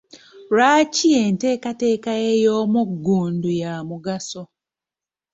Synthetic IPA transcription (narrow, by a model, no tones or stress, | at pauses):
ɾaːcieːnte̞ːkate̞ːkaejo̞ːmuɡːuːndujamuɡaso